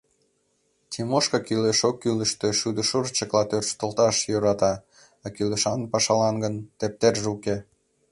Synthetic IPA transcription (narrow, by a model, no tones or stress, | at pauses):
t̪ʲʰimoʃkɑkyleʃokːyləʃt̪eʃud̪əʃurt͡ɕəklɑt̪ørt͡ɕt̪olt̪ɑʃjøɾɑt̪ɑ | ɑkyləʃɑnpɑʃɑlɑnɡənt̪ep̚t̪erʒeuke